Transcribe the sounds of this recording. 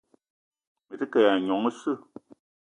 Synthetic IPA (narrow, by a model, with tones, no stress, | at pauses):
mə˨tɨ˦kə˨ja˨ɲɔ˨˦ŋə˦sɨ˦˨